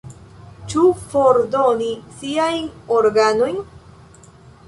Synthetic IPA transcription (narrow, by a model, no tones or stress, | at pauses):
t͡ʃufoɾdonisiajnoɾɡano̞jn